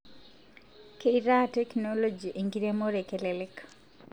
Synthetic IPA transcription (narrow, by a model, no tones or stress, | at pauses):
keiɾatɛknɔlod͡ʒiʔeŋɡiɾemoɾekelɛlɛk